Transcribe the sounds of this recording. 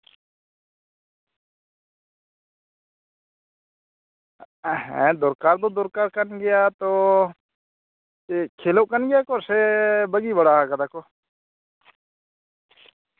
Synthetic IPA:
ɦɛ̰̃d̪oːɾkaːɾd̪oːd̪oːɾkaːɾkənɡɪjaːt̪oː | ekʰeːlokənɡɪjaːkoɾsebəɡibəɽaːkəd̪aːkoː

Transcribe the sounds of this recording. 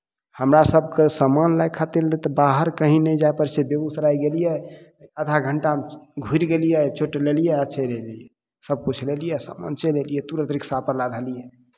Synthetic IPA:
həmɾasəb̚kesəmanlajkʰat̪ilːɛt̪ɔbaɦəɾkəɦĩnɛd͡ʒajpəɾsebebusɾajɡelijɛ | ət̪ʰaɡʱəɳʈamɡʱuiɾɡelijɛt͡ʃoʈlelijɛət͡ʃʰɛleliɛ | səb̚kut͡ʃʰlelijɛsa̰ma̰nt͡ʃelelijɛt̪uɾət̪ɾiksapəɾlad̪ʱəlijɛ

